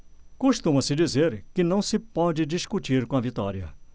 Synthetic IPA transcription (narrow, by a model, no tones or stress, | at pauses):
kuʃt̪ũmɐsɪd͡ʒizeɾkɪnɐ̃w̃sɪpɔd͡ʒɪd͡ʒiʃkut͡ʃiɾkõɐvit̪ɔɾjɐ̰